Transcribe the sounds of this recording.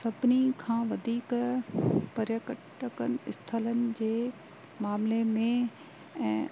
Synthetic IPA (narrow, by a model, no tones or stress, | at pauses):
sɐbʱnikʰãːʋɐd̪ʱiːk | pɐɾjəkəʈəkənɪɪst̪ʰələnɪ̆d͡ʑeː | maːmlemẽ | ɛ̃ː